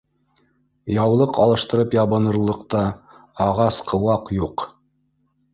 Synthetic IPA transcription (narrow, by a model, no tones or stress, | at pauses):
jɑwlˠɤqɑlˠɤ̆ʃt̪ɤ̆ɾɤpjɑβɤ̆nɤ̆ɾlˠɤ̆qt̪ɑ | ɑʁɑsqʰɤ̆wɑqjuq